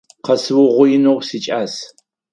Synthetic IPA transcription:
qɐsɨwʊʁʷʊjɪnowsit͡ʃʼaːs

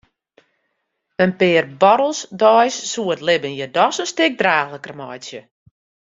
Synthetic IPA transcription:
ənpɪːrbɔɾəl̩ˠsdɔjsːuətlɪbənjədɔsənstɪk̚draːxləkrəmɔjsjə

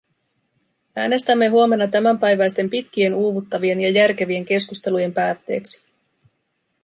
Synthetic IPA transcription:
æːne̞st̪æmːe̞ɦuome̞nːɑt̪æmæmpæjʋæjst̪e̞mpit̪k̟ie̞nuːʋut̪ːɑʋie̞njɑjærk̟e̞ʋie̞ŋk̟e̞skust̪e̞luje̞mpæːt̪ːe̞̰ːksi̥

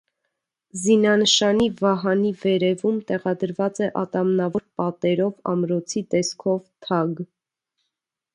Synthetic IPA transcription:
zinɑnəʃɑnivɑɦɑnivɛɾɛvumt̪ɛʁɑd̪əɾvɑt͡sɛʔɑt̪ɑmnɑvɔɾpɑt̪ɛɾɔvɑ̰mɾɔt͡sʰit̪ɛskʰɔvt̪ʰɑɡ

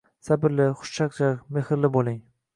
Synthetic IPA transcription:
sabɪɾlɪχʊ̥ʃt͡ʃʰakt͡ʃaɾmehɪɾlɪbolˠɪŋ

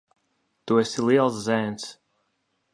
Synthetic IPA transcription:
t̪uɛsʲilˠiɛlˠs̬zɛːns

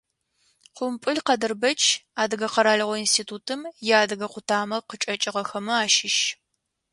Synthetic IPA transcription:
qʷʊmpʼɨɮqɐdɨrbɐt͡ʃʰʼaːdɨɣɐqɐɾaːɮɐʁʷɔinstʰiːtʰuːtʰɨmjaːdɨɣɐqʷʊtʰaːmɐqət͡ʃʼɐt͡ʃʼɪʁɐxɐmɨaːʃɪʃ

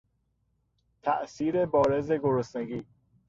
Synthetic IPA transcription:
t̪ʰæʔsiːɾebɒːɾeze̞ɡoɾosneɡiː

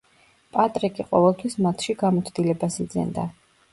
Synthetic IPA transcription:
pʼat̪ʼɾikʼiqʼɔvɛlˠt̪ʰwismat̪ʰʃiɡamɔt̪sʰd̪ilɛbasid̪zɛ̰nd̪a

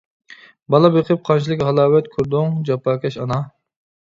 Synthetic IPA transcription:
bɑlˠɑbeqʰɨp̚qʰɑnʃʰilˠɨkʲhɑlˠɑːwɛt̪kʲʰuɾd̪ʊŋd͡ʒɑpɑːkʲʰɛʃɑnɑ

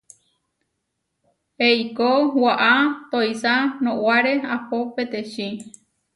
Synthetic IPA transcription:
hejkowaʔat̪oisanõwaɾe̞apopet̪eʃĩ

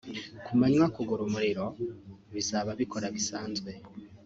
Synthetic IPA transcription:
kumaɲwakuɡuɾumuɾiɾo̞βizaβaβiko̞ɾaβisaːnzɡwe̞

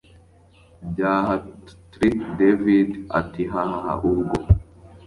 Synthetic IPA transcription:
d͡ʒaːhat̪ɾikdevida̰t̪ːiɦahaha̰ʔuɾɡɔ

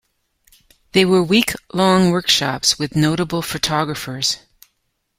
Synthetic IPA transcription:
ðeɪwə˞wikʰlɔ̃ŋwɜ˞kʃɑpswɨðnoʊɾəbl̩ˠfɨtʰɑɡɹɨfə˞z̥

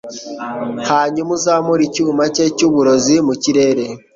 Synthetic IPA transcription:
haːɲumuzaːmuɾicuːmacecuβuɾozimuciɾe̞ɾe

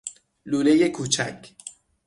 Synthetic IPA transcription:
luːlejekʰuːt͡ʃʰæ̰cʰ

